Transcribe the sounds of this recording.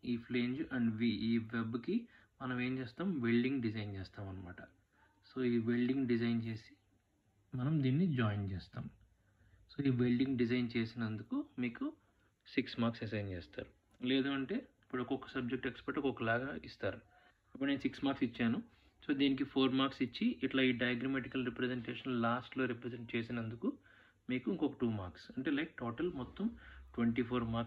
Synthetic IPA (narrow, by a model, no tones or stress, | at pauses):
iːpʰleːɲd͡ʒɐɳɖʋiːʋebki | mɐnɐme̞ːmt͡ʃeːst̪aːmʋelɖiŋɡɖid͡ʒɐjnt͡ʃɛːst̪aːmɐnːɐma̰ːʈɐ | so̞ːiːʋelɖiŋɡɖid͡ʒɐjnt͡ʃe̞ːsi̥ | mɐnɐmd̪iːnːid͡ʒaːjnt͡ʃɛːst̪aːm | so̞ːiːʋelɖiŋɡɖizɐjnt͡ʃe̞ːsinɐnd̪ukumiːku | siksmaːɾksesɐjnt͡ʃɛːst̪a̰ːɾu | leːd̪uːɐɳʈe̞ːipːuɽokɔkɐ̥sɐb̚d͡ʒek̚ʈekspɐɾʈokɔkɐlaːɡaːist̪aːɾu | ɐpːɐnensiksmaːɾksit͡ʃːaːnu | so̞ːd̪iːnik̬ipʰo̞ːɾmaːɾksit͡ʃːiʔiʈlaːiːɖɐjɐɡɾɐmeʈikɐlɾipɾezeɳʈeːʂɐnlaːsʈlo̞ːɾipɾezeɳʈ̚t͡ʃeːsinɐnd̪uku | miːkuiŋkɔkɐʈuːmaːɾksɐɳʈe̞ːlɐjk̚ʈoːʈɐlmɔt̪ːɐmʈʋeɳʈipʰoːɾmaː